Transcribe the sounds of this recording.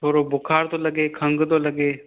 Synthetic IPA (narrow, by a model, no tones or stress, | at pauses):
t̪ʰoːɾobʊkʰaːɾt̪oləɡeːkʰə̃ŋɡd̪oːləɡeː